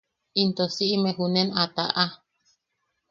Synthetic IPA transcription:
int̪osiʔimeɦunenat̪a̰ʔa

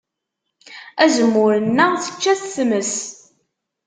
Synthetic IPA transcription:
æzəmːʊɾənːəθə̥t͡ʃːæθːməs

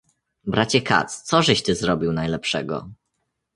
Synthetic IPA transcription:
bɾat͡ɕɛka̰t̪st̪sɔʐɛɕt̪ɘzɾɔbʲiwnajlɛpʂɛɡɔ̰

